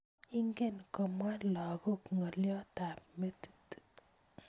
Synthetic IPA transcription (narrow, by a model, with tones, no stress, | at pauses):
i˦ŋɡe˦nkɔ˨mwa˦la˨ku˦kŋɔ˨ljɔ˦ta˨p̚me˦ti̥˦t